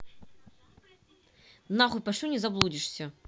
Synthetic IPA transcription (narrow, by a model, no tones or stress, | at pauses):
naɣʊpɐʂlʲunʲɪzɐblˠudʲɪʂsʲə